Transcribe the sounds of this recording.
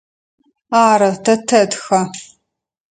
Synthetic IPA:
aːɾɐtʰɐtʰɐdxɐ

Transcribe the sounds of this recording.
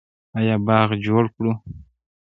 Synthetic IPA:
ajɑbɑɣd͡ʒoɽkɽu

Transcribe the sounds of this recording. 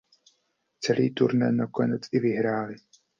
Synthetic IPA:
t͡sɛlḭːt̪uɾnɛnakonɛt͡sɪvɪɦɾaːlɪ

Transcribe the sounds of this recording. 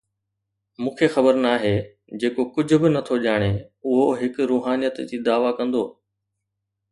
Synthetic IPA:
mũːkʰexɐbəɾnaːɦeː | d͡ʑeːkokʊd͡ʑʱʊ̆bɪnɐt̪ʰoʄaːɽ̃eʊɦoɦɪkɾuːɦaːnijət̪d͡ʑiːd̪aːʋakɐ̃nd̪oː

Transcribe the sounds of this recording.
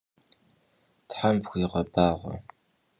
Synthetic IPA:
tħampxʷiːʁɐbaːʁʷɐ̰

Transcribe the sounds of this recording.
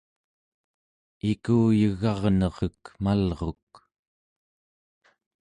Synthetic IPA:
ikuːjəɣɑʁnʌʁəkmalʁo̞k̚

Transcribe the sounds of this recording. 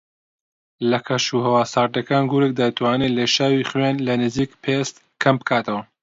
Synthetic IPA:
lɐkʰɐʃuɦɐwaːsaːɾd̪ɐkaːnɡuɾek̚d̪at̪ʰwaːneːleʃaːwiːχwaːnlɐnɨziːkpʰest̪ | kʰɐmbɨkʰaːt̪ɐwɐ

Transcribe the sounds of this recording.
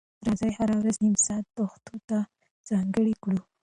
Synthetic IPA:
ɾazɑjhaɾawɾazɪmsɑt̪ːoxt̪ot̪a | z̥ɑŋɡəɽikɽu

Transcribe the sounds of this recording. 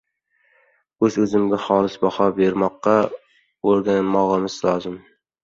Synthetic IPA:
ɵzɵzɪmɡʲaχɒːlˠɪsbɑhɒbeɾmɒqːɑ | oɾɡʲanɪmɒʁɨmɪzlˠɒːzɪm

